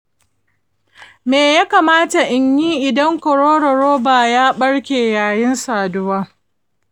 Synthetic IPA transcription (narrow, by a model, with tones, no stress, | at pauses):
meː˨jaː˦kaː˨maː˦ta˨ʔɪ˨ɲjiː˦ʔɪ˨dɐ˦ŋkɔ˨ɽoː˦ɽɐ˨ɽoː˦baː˨jaː˦ɓɐ˦ɽkʲeː˨jaː˨jɪ˦nsaː˨dʊ˦waː˦